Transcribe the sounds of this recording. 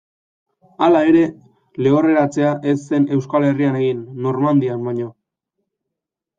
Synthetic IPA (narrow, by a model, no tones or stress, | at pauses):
alae̞ɾe̞ | le̞o̞re̞ɾat͡se̞aʔe̞sːe̞ne̞wskale̞riane̞ɣinːo̞rmand̪iambaɲo̞